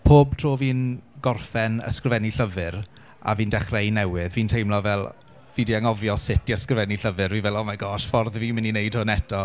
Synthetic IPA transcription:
pʰoːb̚tʰroːviːnɡɔrfɛnə̰skrəvɛniɬəvɨɾ | a̰viːndɛχrejnɛwɪðviːntʰejmlɔvɛlˠ | viːdiaŋɔvjɔsɪtiəskrəvɛniɬəvɨrviːvɛlˠɔmaɡɔʃfɔrðviːmɪninejd̥hʊnɛtʰɔ

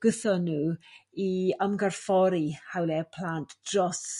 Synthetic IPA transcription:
ɡ̥əθɔnuːiəmɡarfɔɾihawlɛpʰl̥aːntʰd̥rɔs

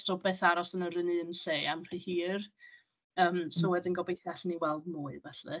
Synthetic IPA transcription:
sɔbeːθaɾɔsənəɾɪnɨnɬeːamr̥ɨhiːr | əːmsɔwɛdɪnɡɔbejθjaɬniwɛlˠdmuːɨvɛɬɨ̰

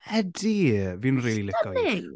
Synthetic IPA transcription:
hɛdiviːnriːlilɪkʰɔe

